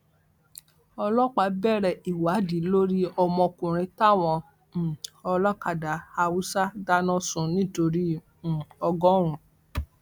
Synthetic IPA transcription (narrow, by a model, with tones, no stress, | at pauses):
ɔ˧lɔ˦k͡pa˨˧˦bɛ˦˨ɾɛ˨i˨wa˨˦di˨˦lo˦ɾi˦ɔ˧mɔ̃˧kũ˨ɾ̃ĩ˧ta˦˨w̃ɔ̃˧˨ | ɔ˧lɔ˦ka˨da˨˦a˧wu˦sa˦da˦nɔ̃˦sũ˧nĩ˦to˧ɾĩ˦˨ | ɔ˧ɡɔ̃˦ɾ̃ũ˨